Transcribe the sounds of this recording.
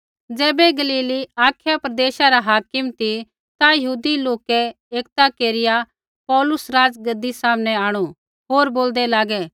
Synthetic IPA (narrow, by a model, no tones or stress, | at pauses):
d͡zɛːbɛɡɐliːliaːkʰjapɾɐd̪eːʃaɾaɦaːkɪmt̪i | t̪ajɐɦuːd̪iloːkɛ | eːkt̪akeːɾɪja | pɔːlʊsɾaːd͡zɡɐd̪isaːmnɛaːɽ̃u | ɦoːɾboːld̪ɛlaːɡɛ